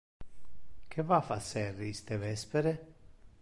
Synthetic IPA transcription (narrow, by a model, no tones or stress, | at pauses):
kʰevafasːɛrːiist̪evɛspeɾe